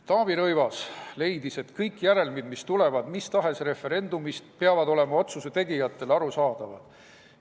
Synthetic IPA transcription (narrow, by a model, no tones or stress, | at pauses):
t̪ɑːbiɾɤjvɑsle̞jd̪ise̞t̪kɤjkːˑjæɾe̞lmid̪mist̪ulevɑd̪mist̪ɑɦe̞sɾe̞fe̞ɾe̞nd̪umist̪̚peɑvɑd̪o̞le̞mɑo̞t̪suset̪e̞ɡijɑt̪ːˑe̞lɑɾusɑːd̪̥ɑvɑ̰d̪̥